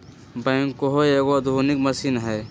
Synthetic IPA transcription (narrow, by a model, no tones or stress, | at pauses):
bɛ̃ŋkoɦoeɡod̪ʱunikməsinɦɛː